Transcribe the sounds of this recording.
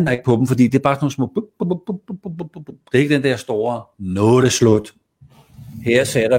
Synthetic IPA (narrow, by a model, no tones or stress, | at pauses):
neɡ̥̚pʰɒ̽b̥m̩fɒ̽d̥ḭːd̥eɐb̥ɑ̈ːsnoːn̩smɔ̰̽ːb̥ | d̥ee̝ɡ̥əd̥end̥ɛɐsd̥o̝̰ːɐnɔːð̩ˠæslɔd̥ | heɐ̰sɛɾ̥ɑ